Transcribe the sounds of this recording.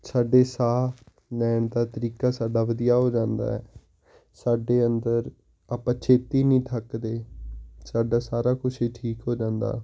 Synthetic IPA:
saːɖeːsaː | lɛːɳd̪aːt̪əɾiːkaːsaːɖaːʋəd̪ɪjaːɦoːd͡ʒãːnd̪a̰ːɛː | saːɖeːənd̪əɾ | aːpãːt͡ʃʰeːt̪iːnĩːt̪ʰəkd̪eːsaːɖaːsaːɾaːkʊʃiːʈʰiːkɦoːd͡ʒãːnd̪a̰ː

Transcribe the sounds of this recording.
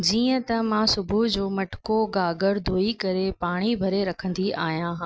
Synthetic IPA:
d͡ʑiːə̃t̪ɐmãsʊbʱud͡ʑoːmɐʈʊ̥koɡaːɡəɾd̪ʱoːikɐɾepaːɽ̃ibʱɐɾeɾɐkʰə̃nd̪iaːɦijãɦãː

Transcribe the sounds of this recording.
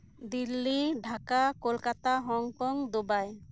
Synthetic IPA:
d̪ilːiɖʱakakolkat̪aɦɔŋkɔŋd̪ubaj

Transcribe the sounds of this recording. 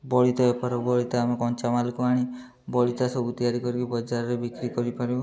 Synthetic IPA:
bɔɭit̪ɔbɔpaɾɔbɔɭit̪ɔamekɔnt͡ʃamalikɔaɽ̃i | bɔɭit̪asɔbut̪iaɾikɔɾikibɔd͡ʒaɾɔɾebikɾikɔɾipaɾibɔ

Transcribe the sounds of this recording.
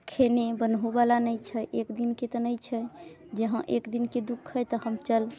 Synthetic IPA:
kʰenebənɦubalanəjt͡ʃʰəʔekd̪inket̪ɔnəjt͡ʃʰɛ | d͡ʒəɦə̃ʔekd̪inked̪ukʰɦəjt̪ɔhəmt͡ʃəl

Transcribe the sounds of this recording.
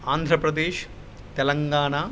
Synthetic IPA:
aːnd̪ʱɾɐpɾɐd̪eːʃ | t̪ɛlɐŋɡaːɳaː

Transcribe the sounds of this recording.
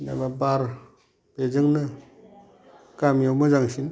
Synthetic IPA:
na̰babaɾ | bed͡ʒɯŋnɯ | kamjawmɯzaŋsin

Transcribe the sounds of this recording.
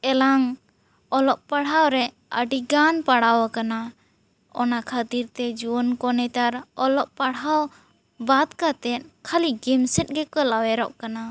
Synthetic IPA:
ɛlaŋ | ɔlɔʔ̚paɽɦawɾɛ | əɖiɡanpaɽawakana | ɔ̰nakʰat̪iɾt̪ɛd͡ʒuɔnkɔnɛt̪aɾɔlɔʔpaɽɦaw | bad̪kat̪ɛt̪̚kʰaliɡɛmsɛt̪̚ˀɡɛkɔlawɛɾɔʔkana

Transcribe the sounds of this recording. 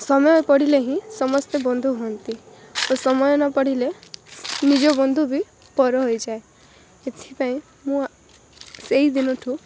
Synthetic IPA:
sɔmɔjɔpɔɽileɦĩsɔmɔst̪ebɔnd̪ʱuɦɔnt̪ibosɔmɔjɔnɔpɔɽile | nid͡ʒɔbɔnd̪ʱubi | pɔɾɔɦojd͡ʒae | et̪ʰipaĩ | mũ | seid̪inɔʈʰũ

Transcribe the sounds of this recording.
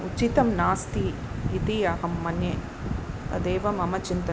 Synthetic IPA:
ut͡ʃit̪ɐmnaːst̪iːt̪iɐɦɐmːɐnje | t̪ɐd̪eːʋɐmɐmɐt͡ʃint̪ɐ

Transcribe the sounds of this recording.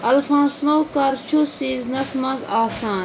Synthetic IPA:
ɐlfãːnsnowkɐɾt͡ʃʰusiːznɐsmɐ̃zaːsaːn

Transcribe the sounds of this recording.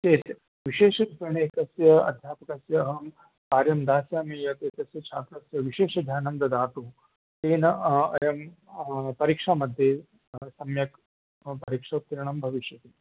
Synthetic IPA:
t̪eːt̪ | ʋiʃeːʂɐɾipɐɳeːk̪ɐsjɐɐ̰d̪ʱjaːpɐkɐsjɐːɦɐm | kaːɾjɐmd̪aːsjaːmijɐt̪eːt̪ɐsjɐt͡ʃʰaːt̪ɾɐsjɐʋiʃeːʂɐd̪ʱjaːnɐmd̪ɐd̪aːt̪uː | t̪eːnɐɐ̰jɐm | pɐɾikʂaːmɐd̪ʱje | sɐmjɐk | pɐɾikʂɐt̪iɾɐɳɐmbʱɐʋiʃjɐt̪iː

